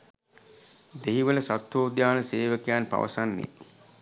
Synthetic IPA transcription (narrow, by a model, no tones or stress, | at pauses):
d̪eɦiʋələsat̪ʋoːd̪jaːnəseːʋəkjaːnpa̰ʋɐ̰sanːḛ